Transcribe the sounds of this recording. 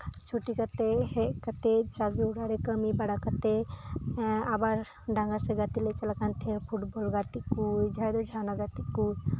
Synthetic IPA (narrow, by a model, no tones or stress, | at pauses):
t͡ʃʰuʈikət̪eɦekət̪et͡ʃaɡiuɽaɾekəmibɐɽakət̪e | abaɾ | ɖãŋɡaseɡat̪ilet͡ʃɐlakant̪ʰepʰuʈbolɡat̪ikujd͡ʒʱajd̪od͡ʒʱanaɡat̪ikuj